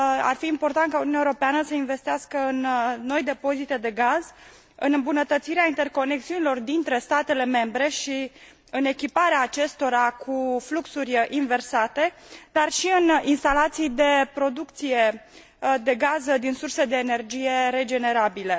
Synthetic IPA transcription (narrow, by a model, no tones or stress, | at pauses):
a̰rfiːmpo̞rt̪ant̪̚kaununʲaewoɾopeanəsəinve̞st̪iaskəɨnːo̞jd̪e̞po̞zit̪e̞d̪e̞ɡaz | ɨnɨmbunət̪ət̪siɾeaint̪e̞rko̞ne̞k̚siunilo̞rd̪int̪ɾe̞st̪at̪e̞le̞me̞mbɾe̞ʃi | ɨne̞kʲipaɾeaːt͡ʃe̞st̪o̞ɾakʰufluksurʲʔinve̞rsat̪e̞d̪̥arʃiɨninst̪alat̪sijd̪e̞pɾo̞d̪uk̚t̪sije̞ | d̪e̞ɡazd̪insurse̞d̪e̞ːne̞rd͡ʒije̞ɾe̞d͡ʒe̞ne̞ɾabile̞